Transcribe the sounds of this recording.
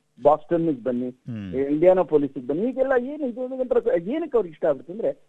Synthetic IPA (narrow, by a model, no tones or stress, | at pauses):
baːsʈɐnːuɡbɐnːiiɳɖijaːnɐpoːliːsuɡebɐnːiɦiːɡɛlːɐeːnid̪uniɡɐnt̪ɐɾɐkeːnɐkːɐʋɾiʂʈɐaːɡiɾut̪ːɐnd̪ɐɾe